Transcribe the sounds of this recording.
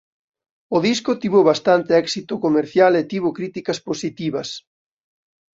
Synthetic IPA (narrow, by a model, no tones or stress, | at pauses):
ʊðiskʊt̪iβoβast̪ant̪eɛksit̪ʊkomeɾθjalet̪iβokɾit̪ikɐsposit̪iβɐs